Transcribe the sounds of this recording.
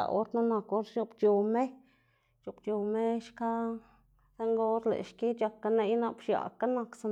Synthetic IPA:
a̰˧o̰˦ɾt̪nu˦na˧ko˦ɾt͡ʃo˧pt͡ʃo˧me˦ | t͡ʃo˧pt͡ʃo˨me˦ʃka˦ | se˦ŋɡo˦ɾlḛ˨ʃki˦t͡ʃa˧kːa˧ne˧jna˧pʃja̰˨ka˦na˧ksa˧

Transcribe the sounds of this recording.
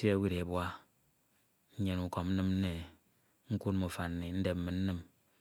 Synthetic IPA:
sa˦wi˦ɾe˨bwa˦ | ɲe˨nu˨kɔ˨mn̩˦nɨ˦m̩˦ne˨ | ŋ̩˦ku˦tmu˨fa˨nn˨ni˨n̩˦de˨p̚m̩˦mɨ˨n̩˦nɨ˦m

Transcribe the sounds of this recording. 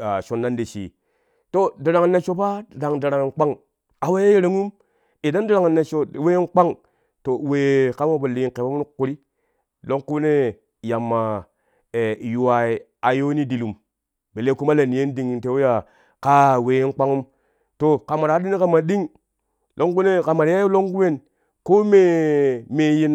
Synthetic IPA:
a˨ʃo˨nːa˦nde˨t͡ʃḭ˨ | to˦di˨ɾa˨ŋ˨nːe˨t͡ʃo˦pa˦˨da˨ŋda˨ɾa˨ŋ˨nk͡pa˦ŋ | a˨we˦je˦je˨ɾe˦ŋu˦m | i˨da˦n˦di˦ɾa˨ŋ˨ne˨t͡ʃo˦˨we˦nk͡pa˦ŋ | to˨we˨ka˦mo˦bo˨li˨ŋke˨bo˦m˦nu˦kːu˨ɾi˦ | lo˦ŋku˦ne˦ | ja˨mːa˨ | e˨ju˨wa˨i˨ | a˨jo˦ni˦di˨lu˨m | be˨le˦ku˦ma˦le˨ni˨je˦ndi˨ŋ˨te˨˦wu˦ja˨ | ka˦we˨e˦nk͡pa˦ŋu˦m | to˨ka˨ma˨ɾa˨˦i˦ni˦ka˨ma˨ɗi˦ŋ | lo˦ŋku˦ne˦˨ka˨ma˨ɾja˦jo˦lo˦ŋku˦we˦˨n | ko˦me˨me˨ji˦n

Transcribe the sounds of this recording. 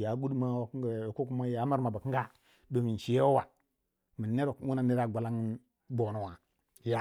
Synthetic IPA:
ja˨˦ɡu˦dma˦wa˨kŋɡko˦ku˦ma˦ja˨˦ma˦ɾma˨ba˨kŋ˦ɡa˦ | do˨mi˨n˨ʃi˨je˦wo˦wa˨ | mi˨nːe˦ɾo˨kwu˦na˨ne˦ɾa˨ɡʷa˨la˦ŋ˦ | bo˨no˨wa˨ | ja˨˦

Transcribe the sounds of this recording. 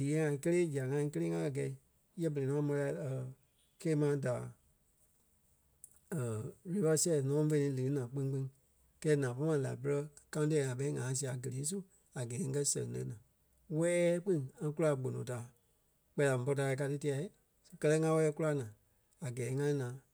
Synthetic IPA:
diː˨ɛ̃˨˦ŋã˧˨˧kə˦leː˦d͡ʒi˨a˨ŋã˧˦˧k̬ə˦leː˦ŋã˦a˨ɡɛ˨˦ | jɛ˦bə˨e˨nɔ̃ː˨˦mɔ̃˧la˧˦ə˨ | keː˧˦mã˧˦da˨ | ə˨le˨˦fa˦si˦ɛ˦˨nɔ̃˨˦fẽ˧nĩ˨˦lɨ˨˦nãː˨k͡pĩ˦ŋ˦k͡pĩ˦ŋ˦ | kɛː˦nãː˨pɔ˦mã˧˨la̰˨pə˦˧ɾɜ˧kã˧˦ũ˦t̬ɛː˧˨ŋã˨ɓɛ˧˦i˦ŋãː˨˦s̬i˧˨a˨ɡə˨leː˨˦s̬u˦ | a˨ɡɛː˨˦ŋ̩˦kɜ˦sɛ̰̃˨ŋ˨lɛ̰̃˨˧˦nãː˨˦ | wɛː˦k͡pĩ˦ŋã˧˦ku˦la˧˨ɡ͡bo˨nõ̰˨ta˨˦ | k͡pɛ˧˦˧la˨m̩̃˨˧pɔ˧taː˧a˧ka˧tɨ˦ti˧a˧i˦ | skɜ˧lɛ˦ŋã˧˦wɛ˧ɛ˧˦ku˦la˧nãː˨ | a˨ɡɛː˨˦ŋã˧ĩ˦nãː˨˦

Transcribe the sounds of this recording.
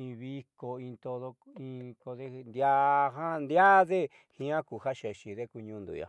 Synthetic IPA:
ĩ˧βi˦˧ko˧ĩ˧t̪o˧ðo˧ĩ˧ko˧ðe˦˧nd̪ja˦ɦa˦nd̪ja˦ðe˦ | hĩ˧˦ã˦ku˨ha˦ʃe˨ʃi˨ðe˦ku˧ɲũ˧nd̪ṵ˨ja̰˨

